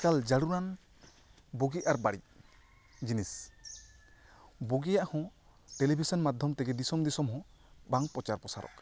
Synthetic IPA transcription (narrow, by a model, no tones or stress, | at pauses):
kald͡ʒaɽuɾan | boɡiaɾbaɽḭ | d͡ʒinis | boɡijaʔhɔ̃ | ʈelibʱisɔnmad̪ʱjɔmt̪ɛɡɛd̪isɔmd̪isɔmɦɔ̃ | baŋpɾɔt͡ʃaɾpɔsa̰ɾɔ̰k